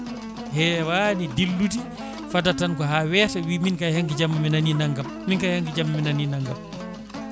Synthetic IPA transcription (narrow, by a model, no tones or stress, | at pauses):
hɛwanidilːuti | fatatankɔɦaːwɛtawiminkajhaŋɡid͡ʒamːaminaninaŋɡamːinkajhaŋɡid͡ʒamːaminaninaŋɡa̰m